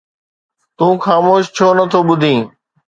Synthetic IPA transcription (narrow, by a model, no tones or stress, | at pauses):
t̪ũːxaːmoːʃt͡ɕʰoːnət̪ʰoːɓʊd̪ʱĩː